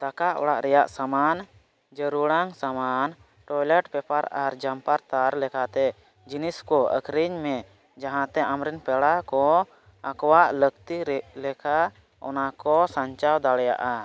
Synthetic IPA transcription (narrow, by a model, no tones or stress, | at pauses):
d̪̥akaʔɔ̰ɽaʔɾɛjaʔsaman | d͡ʒəɾuɽaŋsaman | ʈɔjlɛʈpɛpaɾaɾd͡ʒampaɾt̪aɾlɛkʰat̪ɛ | d͡ʒiniskɔə̰kʰɾiɲmɛ | d͡ʒaɦãt̪ɛʔamɾɛnpɛɽakɔ | akɔwaʔləkt̪ilɛkʰa | ɔ̰nakɔsaɲt͡ʃawd̪aɽɛja̰ʔa